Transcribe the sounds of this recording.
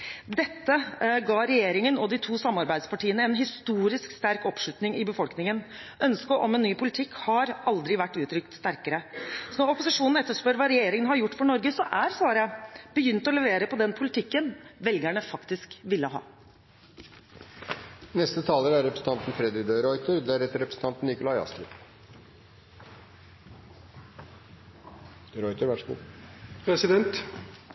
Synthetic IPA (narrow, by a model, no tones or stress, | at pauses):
d̪ɛt̪ːəɡɑːɾɛjeːɾɪŋənɔd̪ɪt̪ʰuːsɑmːɑɾbæɪd̪spɑʈiːənəɛːnɦɪst̪uːɾɪskst̪æɾkɔpʂʉt̪nɪŋɪbəfɔlknɪŋən | ʔœnskəʔɔmɛnːyːpʰʊlɪt̪ʰɪkːhɑɾɑld̪ɾɪʋæʈːʉːt̪ʰɾʏkt̪st̪æɾkəɾəsɔnɔɾɔpʊsɪʂuːnn̩ɛt̪ːəʂpœɾʋɑɾɛjeːɾɪŋənhɑɾjʊʈːfɔɳɔɾɡəsɔʔæɾsɑːɾəb̥əjʏnt̪ɔlɛʋeːɾəpʰɔd̪ɛnpʰʊlɪt̪ʰɪkːənʋɛlɡæɳəfɑkt̪ɪskʋɪlːəɦɑ̰ː | nɛst̪ət̪ʰɑːləɾæɾɾɛpɾəsn̩t̪ɑnt̪n̩fɾɛd̪ɾɪd̪əɾɔʏt̪əɾd̪æɾɛt̪əɾɛpɾəsn̩t̪ʰɑnt̪n̩ɪkʊlɑjɑ̰st̪ɾɪ | ɾɔʏt̪əɾʋæʂṵːpʰɾɛsɪd̪ɛnt̪